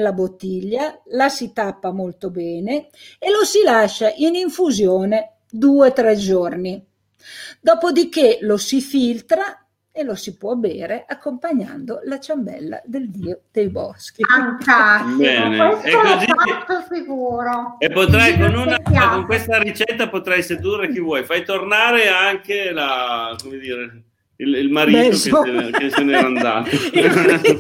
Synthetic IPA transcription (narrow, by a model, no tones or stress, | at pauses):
nlːabot̪ːiʎːalasit̪apːamolt̪obɛːne | elosilaʃaʔiniɱfuzjoːne | d̪uːet̪ɾɛd͡ʒorni | d̪ɔːpod̪ik̟elosifilt̪ɾa | elosipwɔbɛ̰ːɾeʔakːompaɲːa̰nd̪olat͡ʃambɛ̰lːa̰d̪eld̪iːod̪̥ejbɔ̰sk̟iaŋkabɛːneesɛkːoziat̪ːofiɡuːɾoepːot̪ɾɛjkonunaakoŋkwest̪aɾit͡ʃɛt̪ːapot̪ɾɛjsed̪urːek̟ivwɔjfajt̪ornaːɾeaŋkelakomed̪iːɾe | ililmaɾiːt̪oeseneɾand̪zat̪o